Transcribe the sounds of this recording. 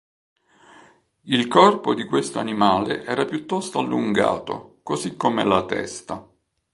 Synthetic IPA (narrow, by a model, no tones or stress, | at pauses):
ilkɔrpod̪ikwest̪oanimaːlḛʔɛːɾapjut̪ːɔst̪oalːuŋɡa̰ːt̪o̰kosikːomelat̪ɛ̰st̪a